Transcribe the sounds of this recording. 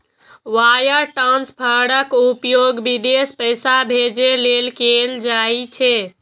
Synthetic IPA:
ʋajəɾʈanspʰəɽəkupjoɡbid̪espəjsabʱed͡ʒelelkeld͡ʒait͡ʃʰɛ

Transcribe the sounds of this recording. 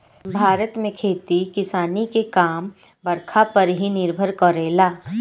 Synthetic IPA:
bʱaːɾət̪mẽkʰeːt̪ikɪsaːnikekaːm | bɐɾkʰapɐɾɦinɪɾbʱəɾkɔɾeːlaː

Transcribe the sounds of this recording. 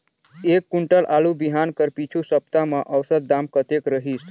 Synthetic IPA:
ekːuɳʈəlʔalubiɦankəɾpit͡ʃʰusəpt̪amə̃ʔəwsəd̪̚ːamkət̪ekɾəɦis

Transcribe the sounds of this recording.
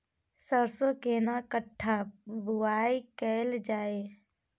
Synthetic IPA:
səɾsokeːnakəʈʰːabʊaːikɛːld͡ʒaːe

